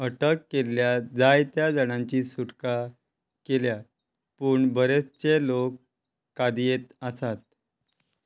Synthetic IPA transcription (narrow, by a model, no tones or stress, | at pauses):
ɦəʈəkːeljad͡zajt̪jad͡zəɽ̃ãɲt͡ɕiːsuʈka | kelja | puːɳbʱəɾet͡st͡ɕelokː | ad̪jet̪əsat̪̚